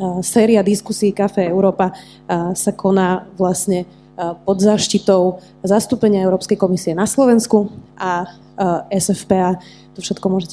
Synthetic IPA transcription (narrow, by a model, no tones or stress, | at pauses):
sɛːɾiad̪iskusiːkafɛːɛʊɾɔːpa | sakʰɔnaːʋlasɲɛ | pɔd̪zaʃcit̪ɔʊ | zast̪uːpɛɲɪaɛʊɾɔːpskɛjkɔmisiɛnaslɔʋɛnskuʔa | ɛsɛfpɛaː | t̪ɔfʃɛt̪kɔmʊɔʒɛcɛ